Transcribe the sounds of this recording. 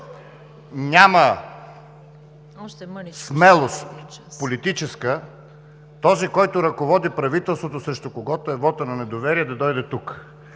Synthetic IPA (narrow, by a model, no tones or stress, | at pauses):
nʲamə | smɛlˠost̪polit̪it͡ʃɛskə | t̪ɔzikɔjt̪ʊɾɐkovɔd̪ipɾɐvit̪ɛlˠst̪vot̪osɾɛʃt̪okoɡɔt̪oɛvɔt̪ənɐnɛd̪ovɛɾiɛd̪ɐd̪ɔjd̪ɛt̪uk